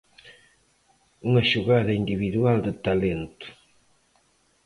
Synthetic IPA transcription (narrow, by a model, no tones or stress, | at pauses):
uŋɐʃuɣaðɐind̪iβiðuald̪ɪt̪alent̪ʊ̥